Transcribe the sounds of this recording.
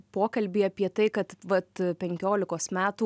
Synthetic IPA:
poːkɐlʲbʲiːɐpʲiɛt̪ɐɪkɐt̪ʋɐt̪pʲɛŋʲkʲoːlʲɪkoːsmʲæːt̪uː

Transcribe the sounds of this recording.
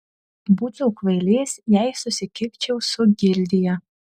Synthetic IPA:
buːzuːkʋɐɪlʲeːsʲjæɪsʊsʲɪkʲɪkʲt͡ʃʲɛʊsʊɡʲɪlʲd̪ʲɪjɛ

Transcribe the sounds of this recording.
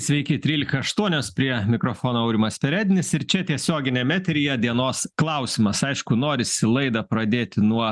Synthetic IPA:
sʲʋʲɛɪkʲɪt̪ʲɾʲiːlʲɪkɐɐʃt̪uɔnʲoːspʲɾʲiɛmʲɪkɾoːfoːnoːɐʊɾʲɪmɐsʲpʲɛɾʲæːd̪ʲɪnʲɪsɪɾt͡ʃʲɛt̪ʲiɛsʲoːɡʲɪnʲɛmʲæːt̪ʲɾʲɪjɛd̪ʲiɛnoːsklˠɐʊsʲɪmɐsɐɪʃkʊnoːɾʲɪsʲɪlˠɐɪd̪ɐpɾɐd̪ʲeːt̪ʲɪnuɔ

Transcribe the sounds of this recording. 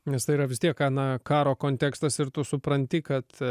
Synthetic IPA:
nʲɛst̪ɐɪiːɾɐʋʲɪst̪ʲiɛkɑnɐkɑːɾoːkoːnʲt̪ʲɛkst̪ɐsɪɾt̪ʊsʊpɾɐnʲt̪ʲɪkɐt̪

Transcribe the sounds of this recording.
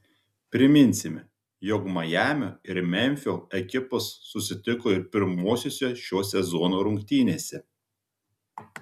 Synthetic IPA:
pʲɾʲɪmʲɪnʲsʲɪmʲ | jɔkmɐjæːmʲoːɪɾmʲɛnʲfʲoːɛkʲɪpɐsːʊsʲɪt̪ʲɪkoːɪɾpʲɪɾmoːsʲoːsʲoʃʲoːsʲɛzɔnoːɾʊŋʲkt̪ʲiːnʲeːsʲɛ

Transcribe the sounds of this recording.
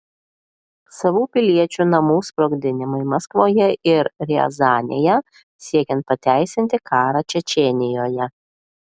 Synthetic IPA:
sɐʋuːpʲɪlʲiɛt͡ʃʲuːnɐmuːspɾoːɡd̪ʲɪnʲɪmɐɪmɐskʋoːjɛɪɾɾʲɛ̰zɑːnʲejɛ | sʲiɛkʲɛnt̪̚pɐt̪ʲæˑɪsʲɪnʲt̪ʲɪkʰɑːɾɑt͡ʃʲɛt͡ʃʲɛnʲɪjoːjɛ

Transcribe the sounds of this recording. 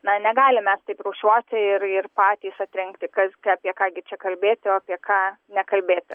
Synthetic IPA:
nɐnʲɛɡɑːlʲɪmʲɛst̪ɐɪpruːʃʲuɔt̪ʲɪɪɾɪrpɑːt̪ʲiːsɐt̪ʲɾʲɛŋkt̪ʲɪkɐsɡʲɑːpʲiɛkɑːɡʲɪt͡ʃʲɛkɐlʲbʲeːt̪ʲɪoːapʲiɛkɑːnʲɛkɐlʲbʲeːt̪ʲɪ

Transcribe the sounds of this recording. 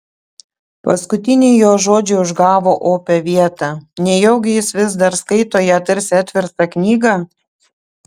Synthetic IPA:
pɐskʊt̪ʲɪnʲɪɪjoːʒoːd͡ʒʲɛʊʒɡɑːʋoːʔoːpʲɛʋʲiɛt̪ɑːnʲɛjɛʊɡʲɪjɪsʋʲɪzd̪ɐɾskɐɪt̪oːjɛt̪ɪɾʲsʲɛt̪ʲʋʲɪɾst̪ɐknʲiːɡɑ

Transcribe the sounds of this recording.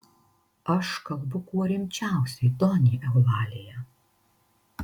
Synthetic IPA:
ɐʃkɐlˠbʊkuɔɾʲɪmʲt͡ʃʲæˑʊsʲɛɪd̪ɔnʲiːʔɛʊlɑːlʲejɛ

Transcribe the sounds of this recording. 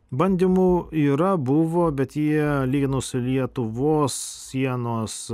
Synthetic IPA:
bɐnʲd̪ʲiːmuiːɾɐbʊʋoːbʲɛt̪jiɛlʲiːɡʲɪnʊːsʲɪlʲiɛt̪ʊʋoːssʲiɛnoːs

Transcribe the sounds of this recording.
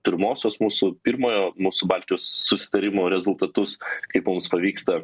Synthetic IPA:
pʲɪɾmoːsʲoːsmuːsʊpʲɪɾmoːjoːmuːsʊbɑlʲt̪ʲɪjoːsːʊsʲɪ̥t̪ɐɾʲɪmoːɾʲɛzʊlˠt̪ɐt̪ʊskɐɪpmʊmspɐʋʲiːkst̪ɐ

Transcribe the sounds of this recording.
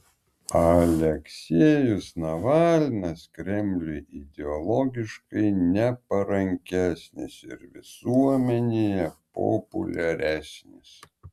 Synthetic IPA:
ɐlʲɛksʲiːjʊsnɐʋɑːlʲnɐskɾʲɛmʲlʲʊʔɪd̪ʲɛɔlˠɔɡʲɪʃkɐɪnʲɛpɐɾɐŋʲkʲæsʲnʲɪ̰sɪ̰ɾʋʲɪ̰suɔmʲɛnʲejɛpɔ̰pʊ̰lʲɛɾʲæːsʲnʲɪs

